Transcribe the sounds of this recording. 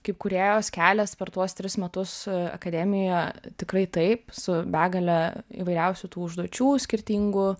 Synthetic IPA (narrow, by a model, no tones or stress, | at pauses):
kɐɪp̚kʊɾʲeːjoːskʲæːlʲɛspʲɛɾt̪uɔst̪ʲɾʲɪsmʲɛt̪ʊsɐ̰kɐd̪ʲɛːmʲɪjɛt̪ʲɪkrɐɪt̪ɐɪpsʊbʲæːɡɐlʲɛḭːʋɐɪɾʲɛʊsʲut̪uːʊʒd̪uɔt͡ʃʲuːsʲkʲɪɾʲt̪ʲiːŋɡʊ